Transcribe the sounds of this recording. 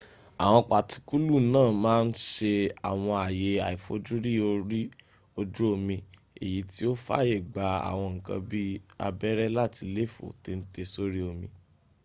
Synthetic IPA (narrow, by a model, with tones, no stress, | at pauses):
a̰˨w̃ɔ̃˧k͡pa˨ti˧ku˦lu˦˨nãː˦˨mãː˦˧n̩˦ʃe˧a˨w̃ɔ̃˧a˨je˨˦a˨i˨fo˨˦d͡ʒu˦ɾi˦o˧ɾi˦ | o˧d͡ʒu˦o˧mĩ˧ | ḛ˨ji˨˦ti˦o˦fa̰˦je˦˨ɡ͡ba˨a̰˨w̃ɔ̃˧ŋ̩˨kã̰˧bi˦a̰˧bɛ˦ɾɛ˦la˦˨ti˧le˦˨fo̰˨te˧n̩˦te˧so˦ɾi˦o˧mĩ˧